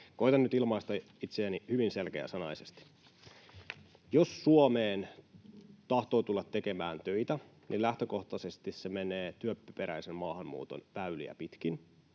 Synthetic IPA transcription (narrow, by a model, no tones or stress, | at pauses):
koit̪ɑnnyt̪ilmɑist̪ɑ | it̪seænihyʋinselkḛæ̰sɑnɑjsest̪i̥ | josːuomeːn | t̪ɑht̪o̞ːt̪ulːɑt̪ːe̞ke̞mæːnt̪øit̪æ | nʔilæht̪øko̞ht̪ɑse̞st̪issemeneːt̪yøpːæpeɾæisemmɑːhɑmmṵːt̪o̰nʋæylḭæ̰pit̪k̟in